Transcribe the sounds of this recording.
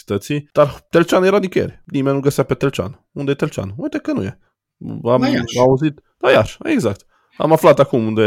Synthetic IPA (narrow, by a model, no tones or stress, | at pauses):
t̪ət̪sid̪̥art̪elt͡ʃanjeɾanikəjeɾenimennuɡəsɪjapet̪elt͡ʃa̰n | und̪et̪elt͡ʃa̰nt̪ekːənṵje | amauzit̪ | d̪ajaʃeɡzakt̪ | a̰maflat̪akumund̪e